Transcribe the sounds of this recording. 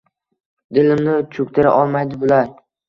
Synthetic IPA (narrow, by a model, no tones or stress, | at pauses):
d̪ɪlɪmnɪt͡ʃʰʊk̚ʲt̪ʰɪɾa̰ʔɒlˠmajd̪ɪbʊlaɾ